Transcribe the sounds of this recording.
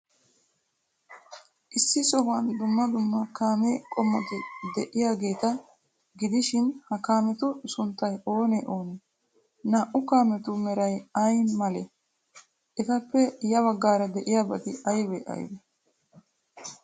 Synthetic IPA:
ʔɪsːɪsʼɔɡɐnd̪ʊmːɐd̪ʊmːɐkaːmekʼɔmːɔt̪ɪd̪ɛʔɪjaːɡe̞ːt̪ɐ | ɡɪd̪ɪʃɪnhɐkaːmɛt̪ʊsʊnt̪ːɐjo̞ːnɛʔo̞ːnɛ | naːʔʊkaːmɛt̪ʊmɛɾɐjɐjnmɐlɛ | ʔɛt̪ɐpːɛjɐβɐɡːaːɾɐd̪ɛʔɪjaːbɐt̪ɪɐjbɛʔɐ̰jbɛ

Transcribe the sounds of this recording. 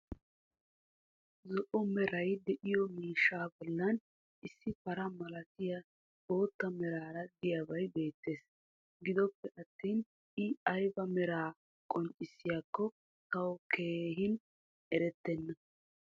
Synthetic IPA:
zɔʔɔmɛɾɐjd̪ɛʔɪjɔmiːʃːaːbɔlːɐn | ʔɪsːɪfɐɾɐmɐlɐt̪ɪjɐ | bo̞ːt̪ːɐmɛɾaːɾɐd̪ɪjabɐjbe̞ːt̪ːe̞ːs | ɡɪd̪ɔpːɛʔɐt̪ːiːn | ɪɐjbɐmɛɾaː | kʼɔnt͡ʃʼːɪsːɪjakːɔ | tɐwɔke̞ːɦɪn | ɛɾɛt̪ːɛnːɐ

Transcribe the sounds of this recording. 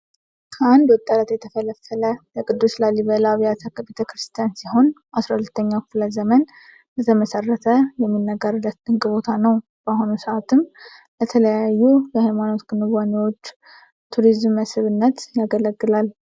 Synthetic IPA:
kʰəand̪wɔt̪ʼːəlat̪jɛt̪ʰəfələfːələləkʼɨd̪ːuslaliβəlaβijat̪ʰakəbet̪ʰəkɾɨst̪ʰijansiho̞nʔasɾahulət̪ʰːəɲːakfɨləzəmən | lət̪ʰəməsərːət̪ʰəjɛmːinːəɡəɾɨlət̪d̪ɨŋkʼɨβo̞t̪ʰanəw | b̥əahunusəʔat̪ʰɨm | lət̪ʰələjajːujəhajmano̞t̪ɡɨnɨβaniwo̞t͡ʃː | t̪ʰuɾizmːəsɨβɨnːət̪jaɡələɡːɨlal

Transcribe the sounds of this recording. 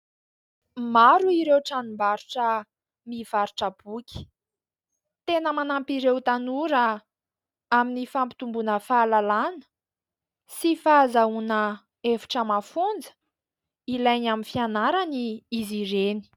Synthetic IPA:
maɾuiɾewʈ͡ʂanimbaɾuʈ͡ʂə | miv̥aɾuʈ͡ʂəb̥ukʲi̥ | t̪enəmanampiɾewt̪anuɾə | aminifampi̥t̪umbunəfaːlalanə̥ | sifaːzaunə | efi̥ʈ͡ʂəmafund͡zə̥ | ilajɲaminfianaɾaniiziɾeni̥

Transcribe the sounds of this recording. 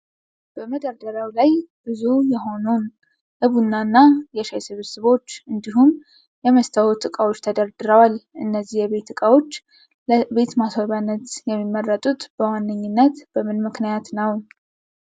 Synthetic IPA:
b̥əməd̪əɾd̪əɾawlajb̥ɨzujɛɦo̞nun | ʔɨβunːanːajɛʃajsɨβsɨβo̞t͡ʃːɨnd̪iɦum | jɛməst̪ʰəwut̪ʼɨkʼawo̞t͡ʃːt̪ʰəd̪əɾd̪ɨɾəwalʔɨnːəzːihjɛβe̞t̪ːɨkʼawo̞t͡ʃː | lbe̞t̪maswaβanːət̪jɛmːimːərːət̪ʼut̪b̥əwanːɨɲːɪnːət̪b̥əmɨnmɨknijat̪nəw

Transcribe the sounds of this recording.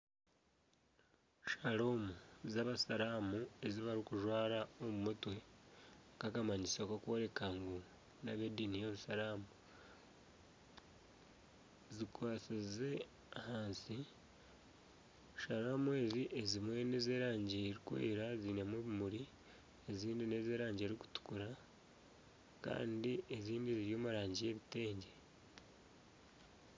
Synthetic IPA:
ʃalomuzaβasaɾaːmue̞ziβaɾikuʒwaːɾaomumutwe̞ | kakamaɲisokokwoɾe̞kaŋɡu | naβedinijoβusaɾaːmu | zikwaːsize | ahaːnsi | ʃaɾaːmuweːziʔezimwe̞ne̞ːzeːɾaːɲɟeɾikwḛːɾazinamweβimuɾi | eziːndine̞zeːɾaːɲɟe̞ɾiku̥tu̥kuɾa | ka̰ːndieziːndiziɾjoːmaɾaːɲɟije̞βite̞ːɲɟe̞

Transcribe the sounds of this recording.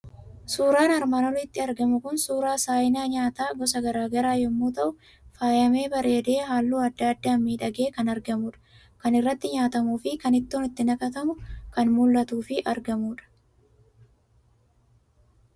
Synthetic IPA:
suːɾaːnɐɾmaːnɔlɪt̪ːɪɐɾɡɐmʊkʊnsuːɾaːsaːjɪnaːɲaːt̪aːɡɔs̬ɐɡɐɾaːɡɐɾaːjɔmːuːt̪ɐʔʊ | faːjɐme̞ːbɐɾe̞ːd̪e̞ːɦaːlːuːɐd̪ːaːɐd̪ːaːmmːiːᶑɐɡe̞ːkɐnɐɾɡɐmuːᶑɐ̥ | kɐnɪrːɐt̪ːɪɲaːt̪ɐmuːfɪkɐnɪt̪ːoːnɪt̪ːɪnɐkɐt̪ɐmʊkɐnmʊlːɐt̪uːfɪʔɐɾɡɐmuːᶑɐ̥

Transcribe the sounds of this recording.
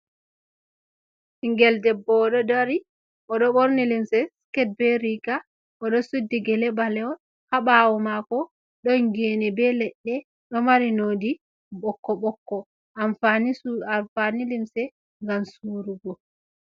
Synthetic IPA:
hiŋɡɛldɛbɔɗɔdaɾi | ʔɔɗɔɓoɾnilimsɛskɛd̚bɛɾika | ʔɔɗɔsudːiɡɛlɛbalɛɔ | haɓawɔmakɔ | ɗɔŋɡɛnɛbɛlɛɗːɛ | ɗɔmaɾinodi | ɓɔkːɔɓɔkːɔ | afniafanilimsɛ | ŋɡamsuɾuɡɔ

